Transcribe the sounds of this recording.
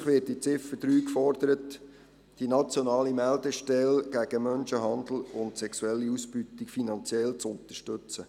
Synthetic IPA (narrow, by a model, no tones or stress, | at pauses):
χʋɪːt̚dit͡sɪfəd̥ɾyːkfɔrd̥̪əɾət | d̥inɑt͡sjonɑːlimæld̪əʃtɛlɡ̥æɡ̥əmœnʃəɦɑnd̪l̩ʊntsɛksuɛlːiusb̥ytikfinɑnt͡sjɛlt͡sʊnt̪əʃtɵt͡sə